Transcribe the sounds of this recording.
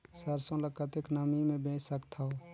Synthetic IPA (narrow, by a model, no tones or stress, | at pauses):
səɾsõləkət̪eknəmimẽbẽːt͡ʃsəkt̪ʰao